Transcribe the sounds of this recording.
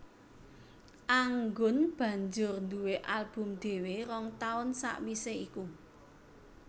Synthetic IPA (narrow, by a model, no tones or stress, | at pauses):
ʔaŋɡʊnb̥ä̤ɲd͡ʒʊrnd̪uweʔalb̥ʊ̤md̪̥e̤weɾɔŋt̪aʊnsa̰ʔwiseiku